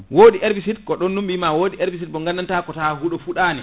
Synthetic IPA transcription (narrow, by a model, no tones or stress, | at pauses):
woːɗiʔeɾbisitkɔɗɔnːumɓimawoːɗieɾbis̬it̚bɔŋɡanːantakɔtahuɗɔfuɗaːni